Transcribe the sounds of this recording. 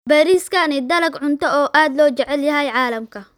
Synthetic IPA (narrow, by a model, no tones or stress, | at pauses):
bɛːɾiːskʰɐnɪd̪ɐlɐɡʕʊnt̪ʰɔɔːʔaːd̪lɔːt͡ʃɛʕɛljɐɦɛjʕɑːlɐmkʰɐ